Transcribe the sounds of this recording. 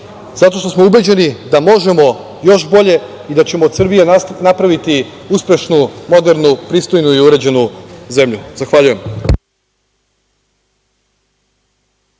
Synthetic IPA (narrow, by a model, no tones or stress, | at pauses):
z̥at̪o̞ʃt̪o̞smo̞ube̞d͡ʑe̞nid̪amo̞ʒe̞mo̞ | jo̞ʃbo̞ʎe | id̪at͡ɕe̞moːd̪sr̩bijenapɾaʋit̪iuspʲe̞ʃnumo̞d̪e̞ɾnupɾiːst̪o̞jnuiuɾe̞d͡ʑe̞nuze̞mʎuzaxʋaʎuje̞m